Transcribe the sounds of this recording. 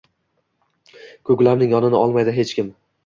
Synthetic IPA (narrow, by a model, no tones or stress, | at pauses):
kʰɵɡʲlamnɪŋjɒnɪnɪʔɒlˠmajd̪ɪɦe̞t͡ʃkʲɪm